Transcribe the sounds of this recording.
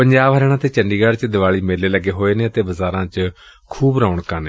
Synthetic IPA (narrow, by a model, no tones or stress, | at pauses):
pəɲd͡ʒaːbɦəɾeːɽ̃ãːt̪eːt͡ʃəɳɖiːɡaːɖt͡ʃd̪ɪʋaːɭiːmeːleːləɡːeːɦoːeːneːət̪eːbəzaːɾãːt͡ʃ | kʰuːbɾaːʊɳkãːneː